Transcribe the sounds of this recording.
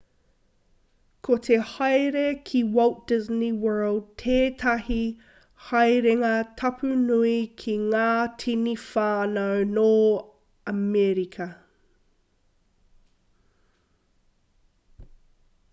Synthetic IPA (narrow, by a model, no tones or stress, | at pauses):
kʰot̪ʰehɐjɾekʰiwɐwt̚d̥ɪzniwɜːlˠd̚tʰeːtʰɐhi | hɐjɾeŋɐtʰɐpʰʉnuikʰiŋaːtʰinifaːnownoː | ɐmɛɾikʰɐ